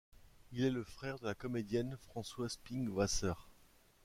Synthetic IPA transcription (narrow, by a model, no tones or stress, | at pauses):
ilɛləfχɛʁd̪əlakɔmed̪jɛnfχɑ̃swaspiŋwasœʁ